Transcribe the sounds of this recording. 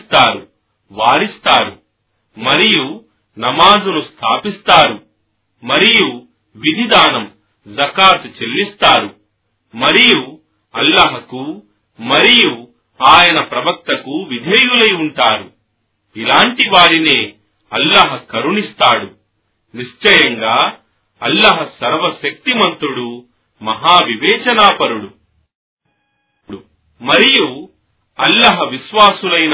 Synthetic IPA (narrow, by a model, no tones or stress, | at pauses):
t̪aːɾu | ʋaːɾist̪aːɾu | mɐɾiju | nɐmaːd͡ʒunust̪ʰaːpist̪aːɾu | mɐɾiju | ʋid̪ʱid̪aːnɐm | zɐkaːt̪ut͡ʃelːist̪aːɾu | mɐɾiju | ɐlːaɦɐku | mɐɾiju | aːjɐnɐpɾɐbɐk̚t̪ɐkuʋid̪ʱeːjulɐjuɳʈaːɽu | ilaːɳʈiʋaːɽineː | ɐlːɐɦɐkɐɾuɳist̪aːɽu | niʂt͡ʃɐjɐŋɡaː | ɐ̰lːɐɦɐsɐɾʋɐʃɐk̚t̪imɐnt̪ɾuɽu | mɐɦaːʋiʋɛːt͡ʃɐnaːpɐɾuɽu | ɽu | mɐɾiju | ɐlːɐɦɐʋiʃʋaːsulɐjn